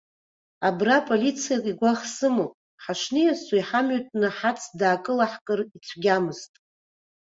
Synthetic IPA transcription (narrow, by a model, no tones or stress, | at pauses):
abrapʼolʲit͡sʰijakʼiɡʷaχsɨmopʼ | ħaʂnijasaiħamɥʏtʼnɨħat͡sʰdaːkʼɨlaħkʼɨrit͡sʷʰɡʲamɨztʼ